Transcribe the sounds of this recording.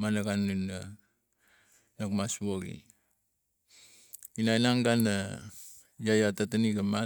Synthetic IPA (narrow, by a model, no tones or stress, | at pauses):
manaɡanuna | nakmasuoɡḭ | inainaŋɡanːa | jajatataniɡama